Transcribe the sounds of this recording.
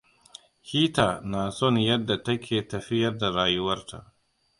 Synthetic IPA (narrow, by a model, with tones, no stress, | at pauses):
hiː˦taː˨naː˨sɔ˦˨njɐ˦dːa˨tɐ˦kʲʰeː˨tɐ˨ɸɪ˦jɐ˦rda˨ɾaː˨jʊ˦wɐ˦rtʰa̰˨ʔ